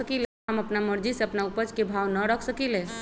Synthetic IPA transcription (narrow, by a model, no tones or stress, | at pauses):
əkile | əməpnaməɾd͡ʒiseəpnaupəd͡ʒkebʱawnəɾəkʰsəkilẽ